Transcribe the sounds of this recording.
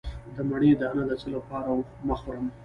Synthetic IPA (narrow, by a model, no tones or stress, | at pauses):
d̪əmaɽed̪əanad̪ət͡ʃəlapɑɾawməxwɾəm